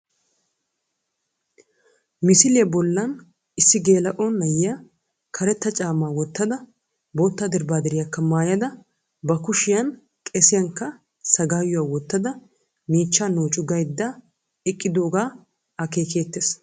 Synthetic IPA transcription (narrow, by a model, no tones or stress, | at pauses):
mɪsɪlɪjɐbɔlːɐn | ɪsːɪɡe̞ːlɐʔonːɐjɪjɐ | kʰɐɾɛt̪ːɐt͡ʃʼaːmaːwɔt̪ːɐd̪ɐ | boːt̪ːaːd̪ɪɾbaːd̪ɛɾɪjɐkːɐmaːjɐd̪ɐ | bɐkʊʃɪjɐn | kʼɛsɪjɐŋkːɐ | sɐɡaːjʊwaːwɔt̪ːɐd̪ɐ | miːt͡ʃːaːnoːt͡ʃʼʊɡɐjd̪ːa | ɛkʼːɪd̪o̞ːɡaː | ɐke̞ːke̞ːt̪ːeːs